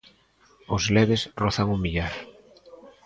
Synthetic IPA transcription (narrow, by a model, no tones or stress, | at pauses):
ʊzlɛβesroθaŋumiʎaɾ